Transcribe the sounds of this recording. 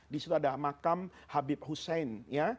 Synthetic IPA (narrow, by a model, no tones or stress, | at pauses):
disit̪uadamakamhabɪp̚husɛnja